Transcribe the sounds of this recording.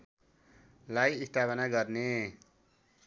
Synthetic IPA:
lajist̪ʰapʌnaɡʌrne

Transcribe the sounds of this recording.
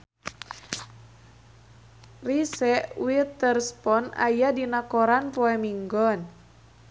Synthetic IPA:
risɛʔwit̪ərspɔna̰jadinakɔɾanpɔɛmiŋɡɔn

